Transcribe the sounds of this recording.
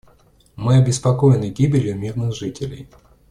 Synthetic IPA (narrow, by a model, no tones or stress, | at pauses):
mɨɐbʲɪspɐkojɪnːɨɡʲibʲɪlʲjʊmʲirnɨxʐɨtʲɪlʲɪj